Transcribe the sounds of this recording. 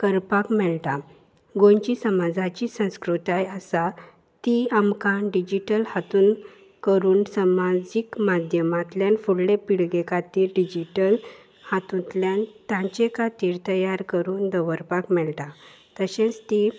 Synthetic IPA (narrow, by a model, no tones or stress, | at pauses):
kəɾpakmɛɭʈ̪a | ɡõɲt͡ɕisəmad͡zat͡ɕisə̃w̃skɾut̪ajəsa | t̪iamkãɖid͡ʑiʈəlhat̪uːn | kəɾuːnsəmad͡ʑikmad̪ʱjəmat̪ljanfuɽɽepiɭɡekat̪iːɾɖid͡ʑiʈəl | hat̪ũt̪ljãnt̪jãt͡ɕekat̪iːɾt̪əjaɾkəɾuːnd̪əʋəɾpakmɛɭʈ̪a | t̪əɕẽt͡st̪i